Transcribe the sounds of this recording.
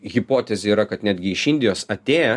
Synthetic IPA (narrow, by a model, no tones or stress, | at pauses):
ɣʲɪpoːt̪ʲɛzʲeiːɾɐkɐt̪nʲæːd̪ʲɡʲɪɪʃɪnʲd̪ʲɪjoːsɐt̪ʲeːjɛ